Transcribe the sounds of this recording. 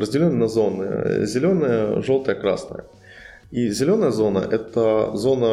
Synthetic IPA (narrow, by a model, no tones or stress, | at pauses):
ɾəzʲdʲɪlʲonːnɐzo̞nːɨ̰jə̰zʲɪlʲo̞nəjəʐo̞lˠt̪əjəkɾa̰snə̰jə̰ | izʲɪlʲo̞nəjəzo̞nə̰ʔɛt̪əzo̞nə